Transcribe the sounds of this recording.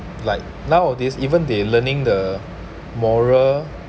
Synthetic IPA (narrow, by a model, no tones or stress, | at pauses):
laɪk̚nãʊɔdisivə̃ndelənɪ̃ŋdə | mɔɹəl